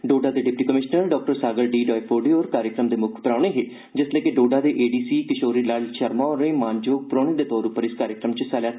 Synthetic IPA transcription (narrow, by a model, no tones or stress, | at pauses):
ɖoːɖaːd̪eːɖɪp̚ʈiːkəmɪʃnəɾɖɔːk̚ʈəɾsaːɡəlɖiːɖɔːipʰoːɖeɔːɾkaːɾjəkɾəmd̪eːmʊkʰpəɾaːɳ̃eːɦeː | d͡ʒɪsleːkeɖoːɖaːd̪eːʔeːɖiːsiːkɪʃoːɾiːlalʃəɾmãːoɾẽːmaːnd͡ʒoːk̚pɾoːɽ̃iːd̪eːt̪ɔːɾʊpːəɾɪskaːɾjəkɾəmt͡ʃəsɛːljaː